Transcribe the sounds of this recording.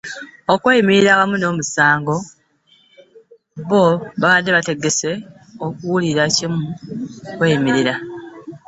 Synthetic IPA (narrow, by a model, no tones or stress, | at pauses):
okwejimiɾiɾawamuno̞ːmusaːŋɡo̞ | βoβaβadːeβate̞ɡe̞se̞ | okuwuliɾacimukwe̞ːjimiɾiɾa